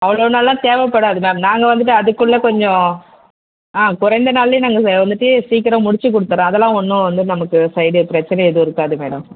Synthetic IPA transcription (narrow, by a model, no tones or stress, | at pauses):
ɐʋɐɭoːnaːllãːt̪eːʋɐpːɐɽaːɐðɯmeːɐmnaːŋɡɐʋɐnd̪ɯʈːɯɐðɯkːɯɭːɐkɔɲd͡ʒɔ̃ | aːkʊɾɐɪnd̪ɐnaːlːinaːŋɡɐʋɐnd̪ɯʈːɯesiːkːɪɾɐ̃mʊɽɪt͡ʃːɯk̬ːɔɽɯt̪ːɯɾẽːɐðɛlːãːɔnːʊ̃ʋɐnd̪ɯnɐmɐkːɯsɐɪɽɯpɪɾɐt͡ʃːɪnɛɛðɯɪɾɯkːaːðɯmeːɽɐ̰̃m